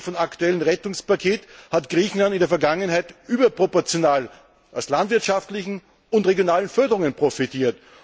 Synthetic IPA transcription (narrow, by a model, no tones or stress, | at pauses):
fɔnaktuɛlənʁɛtʊŋspakʰeːthatɡ̥ʁiːçn̩landɪndeːɐfɛɐɡaŋənhaɪtʔyːbɐpʁ̥opɔɐt͡sjonaːl | ʔaʊslandv̥ɪɐtʃaftlɪçn̩ | ʊntʁeɡjonaːlənfœɐdəʁʊŋənpʁ̥ofitiːɐt